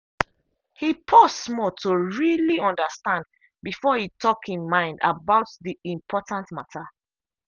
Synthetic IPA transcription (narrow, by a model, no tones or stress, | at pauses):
hipʰɔsmɔtʰoɹiliɔ̃ndəstãnd | bifɔhitʰɔkhĩmmãɪ̃nda̰baʊtðiĩmpʰɔtãntmatʰa